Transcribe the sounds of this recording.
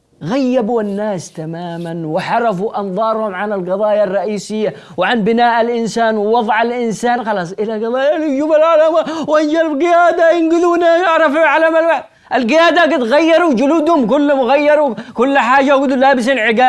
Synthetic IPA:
ɣajːabuanːaːst̪amaːmanwɪħɑɾˤɑfuʔɑnðˤɑːɾˤhʊmʕanɪlɡɑðˤɑːjarˤːɑʔiːsɪjːa | wɪʕanbɪnaːʔalʔɪnsaːnwɪwɑðˤʕalʔɪnsaːnxɑlɑːsˤʔɪlaɡɑðˤɑːjalɪd͡ʒuːbalʕalamawʔand͡ʒalbɡɪjaːd̪ajɪnɡɪðuːnajɪʕɾˤɑfʕalamalwaħd̪ | ʔalɡɪjaːd̪aɡɪt̪ɣajːɑɾˤud͡ʒʊluːd̪hʊmkʊlːmʊɣajːɑɾˤukʊlːħaːd͡ʒaɡʊd̪laːbɪs̬ɪnʕɪɡaː

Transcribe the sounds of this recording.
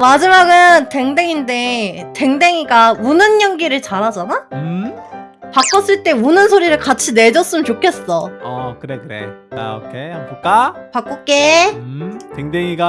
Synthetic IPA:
mad͡ʑimaɡɯnte̞ŋdeŋinde̞te̞ŋde̞ŋiɡaunɯnɲʌŋɡiɾɯɭt͡ɕaɾɦad͡ʑanaɯ | pak͈ʰʌs͈ɯɭt͈e̞unɯnsʰoɾiɾɯɭkat͡ɕʰine̞d͡ʑʌs͈ɯmɯnt͡ɕokʰe̞s͈ʌʌkɯɾekɯɾe̞̰a̰o̰kʰeopok͈apak͈ok͈e̞ | teŋdeŋiɡa

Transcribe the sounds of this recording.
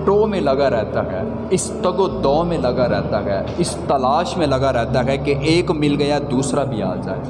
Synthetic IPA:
ʈoːmẽlɐɡaɾɛɦt̪aɦɛː | ɪst̪ɐɡod̪ɔːmẽlɐɡaɾɛːt̪aɦɛ | ɪst̪ɐlaːʃmẽlɐɡaɾɛɦt̪aɦɛkeʔeːkmɪlɡɐjad̪uːsɾabʱia̰ːd͡ʒa̰ːe

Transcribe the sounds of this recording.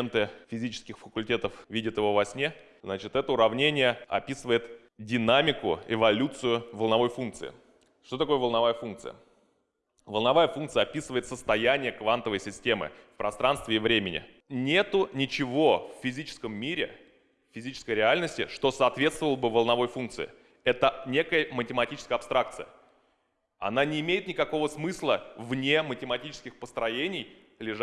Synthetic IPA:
nt̪ɨfʲɪzʲit͡ɕɪ̥skʲɪxfəkʊlʲtʲe̞t̪əfvʲidʲɪt̪jɪvo̞vɐsʲnʲe̞ | znat͡ɕɪt̪ɛt̪əʊɾɐvnʲenʲɪjəɐ̰pʲisɨvəjɪt̪ | dʲɪnamʲɪkʊ̰ɪvɐlʲut̪sɨjʊvəlˠnɐvo̞jfunk̚t̪sɨ̰ɪ̰ | ʂt̪o̞t̪ɐko̞jəvəlˠnɐvajəfunk̚t̪sɨ̰jə̰ | vəlˠnɐvajəfunk̚t̪sɨjɐpʲisɨvəɪt̪səst̪ɐjænʲɪjəkvant̪əvəjsʲɪsʲtʲe̞mɨ̰fpɾʔɐst̪ɾanst̪vʲɪːvɾʲemʲɪnʲɪ̰ | nʲe̞t̪ʊnʲɪt͡ɕɪvo̞fːʲɪzʲit͡ɕɪ̥skəmːʲiɾʲɪ̰ | fʲɪzʲit͡ɕɪ̥skəjɾʲɪalʲnəsʲtʲɪ̰ʂt̪o̞sɐːt̪vʲe̞t̪st̪vəlˠəbɨvəlˠnɐvo̞jfunk̪̚sɨ̰ɪ̰ | ɛt̪ənʲe̞kəjəmətʲɪmɐtʲit͡ɕɪskəjɐpst̪ɾʔak̚t̪sɨjə̰ | ɐ̰nanʲɪːmʲejɪt̪nʲɪkɐko̞vəsmɨslˠəvnʲe̞mətʲɪmɐtʲit͡ɕɪ̥skʲɪxpəst̪ɾɐjenʲɪj | lʲɪʐ

